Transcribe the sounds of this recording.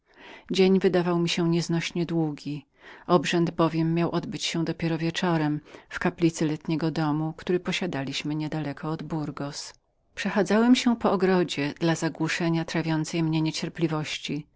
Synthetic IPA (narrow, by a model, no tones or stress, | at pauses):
d͡ʑeɲvɘd̪avawmʲiɕɛɲɛznɔɕɲɛd̪wuɡʲi | ɔbʐɛnd̪bɔvʲjɛmːjawʔɔd̪bɘt͡ɕɕɛ̃d̪ɔpʲjɛɾɔvʲjɛt͡ʂɔɾɛmfkaplʲit̪sɘlɛt̪ɲɛɡɔd̪ɔmukt̪uɾɘpɔɕad̪alʲiɕmɘɲɛd̪alɛkʰɔːd̪buɾɡɔs | pʂɛxad̪zawɛmɕɛpɔɔɡɾɔd͡ʑɛd̪̥lazaɡwuʂɛɲat̪ɾavʲjɔnt̪sɛjmɲɛɲɛt͡ɕɛɾplʲivɔɕt͡ɕi